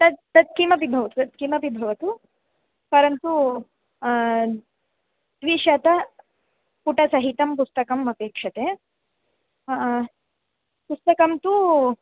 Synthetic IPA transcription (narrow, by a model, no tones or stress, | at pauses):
t̪ɐd̪t̪ɐt̪̚kimɐbibʱɐʋɐt̪uɐt̪̚kimɐbibʱɐʋɐt̪u | pɐɾɐnt̪u | d̪̥ʋiːʃɐt̪ɐ | puʈɐsɐɦit̪ɐmpust̪ɐkɐmɐpeːkʂɐt̪e | pust̪ɐkɐmt̪u